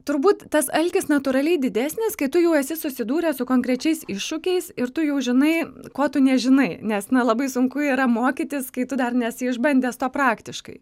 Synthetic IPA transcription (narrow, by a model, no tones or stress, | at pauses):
t̪ʊɾbuːt̪tɐsɐlʲkʲɪsnɐt̪uːɾɐlʲɛɪdʲɪd̪ʲæːsʲnʲɪskɐɪt̪ʊjɛʊɛsʲɪsʊsʲɪd̪uːɾʲɛsʊkoːŋkɾʲɛt͡ʃʲɛɪsɪʃʃʊkʲɛɪsɪɾt̪ʊjɛʊʒʲɪnɐɪkoːt̪ʊnʲɛʒʲɪnɐɪnʲɛsnɐlˠɐbɐɪsʊŋkʊiːɾɐmoːkʲit̪ʲɪskɐɪt̪ʊd̪ɐrnʲɛsʲɪɪʒbɐnʲd̪ʲeːst̪oːpɾɑːkt̪ʲɪʃkɐ̰ɪ